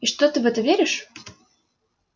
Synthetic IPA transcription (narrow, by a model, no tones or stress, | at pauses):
iʂt̪ot̪ɨvɛt̪əvʲeɾʲɪʂ